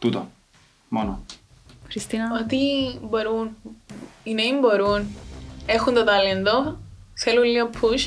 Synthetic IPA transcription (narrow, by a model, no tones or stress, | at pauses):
t̪ut̪o | mono | xɾist̪inot̪iboɾun | ineimboɾunexunt̪ot̪ɐlend̪oθelulliopʰːuʃ